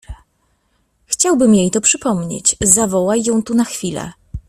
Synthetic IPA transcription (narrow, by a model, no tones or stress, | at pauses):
xt͡ɕawbɘmjejt̪ɔpʂɘpɔmɲḛt͡ɕzavɔwajːɔ̃w̃t̪unaxfʲilɛ̰